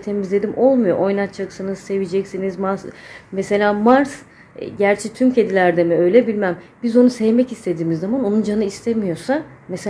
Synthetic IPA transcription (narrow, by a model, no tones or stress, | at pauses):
t̪ʰe̞mizlʲe̞d̪imʔo̞lˠmujo̞̰ʔojnat̪t͡ʃʰaksɯnɯz̥se̞vid͡ʒɛcsinizmaɾsmese̞lʲaːmaɾs | ɟæɾt͡ʃʰɛt̪ʰymcʰe̞d̪ilʲæɾd̪e̞miø̞jlʲɛbilʲmæmbizo̞nusɛvmɛcist̪ʰe̞d̪iːmizːamano̞nund͡ʒanɯist̪ʰemijo̞sames